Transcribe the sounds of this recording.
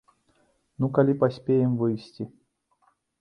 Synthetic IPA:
nukɐlʲipɐsʲpʲejɪmvɨjsʲtʲi

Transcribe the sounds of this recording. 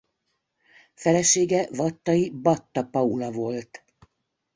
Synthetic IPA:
fɛlɛʃeːɡɛvɒt̪ːɒibɒt̪ːɒpɒulɒvo̞lt̪

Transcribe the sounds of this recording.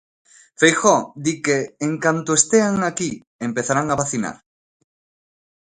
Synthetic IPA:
fejxɔd̪ikeːŋkant̪oest̪eaŋaki | empeθaɾaŋaβaθina̰ɾ

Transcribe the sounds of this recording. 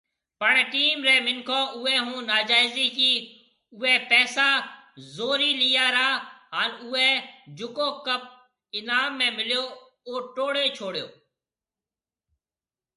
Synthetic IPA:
pəɳʈiːmɾɛ̃ːmɪnkʰõːʊɛ̃ːɦũːnaːd͡ʒaːɪziːkiː | ʊɛːpɛːsaːzoːɾiːliːaːɾaːɦaːnʊːɛːd͡ʒʊkoːkəp̚ | ɪnaːmːẽːmɪljoː | oːʈoːɽeːt͡ʃʰoːɽjo̰ː

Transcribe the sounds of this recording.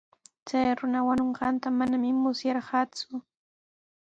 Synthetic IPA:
t͡sajɾʊnawanoɴɢɑnt̪amanamɪmʊsjɑɾɢɑːt͡sʊ

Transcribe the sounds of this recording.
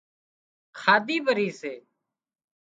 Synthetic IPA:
kʰaːd̪iːbəɾiːseː

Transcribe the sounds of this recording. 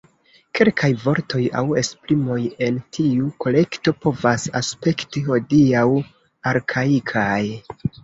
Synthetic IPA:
ke̞lkʰajvo̞ɾtʰo̞ja̰we̞splimo̞je̞ntʰiuko̞le̞kto̞po̞vasaspe̞ktiho̞diaw | aɾkʰaikʰaj

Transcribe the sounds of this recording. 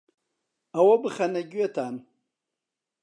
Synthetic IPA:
awabɨχanaɡʲɥet̪ʰaːn

